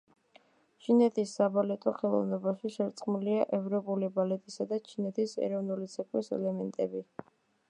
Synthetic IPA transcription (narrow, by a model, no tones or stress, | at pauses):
t͡ʃʰinɛt̪ʰisːabalɛt̪ʼɔχɛlˠɔ̰vnɔbaʃiʃɛɾt̪sʼqʼmuliaʔɛvɾɔpʼulibalɛt̪ʼisad̪at͡ʃʰinɛt̪ʰisɛ̰ɾɔvnulit̪sʰɛkʰʼwisɛ̰lɛmɛnt̪ʼɛbi